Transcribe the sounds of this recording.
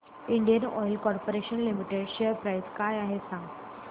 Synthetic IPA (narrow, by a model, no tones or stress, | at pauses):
iɳɖijənɔjlkɔɾpoɾeɕənlimiʈeɖɕejəɾpɾajskajaɦesãŋɡ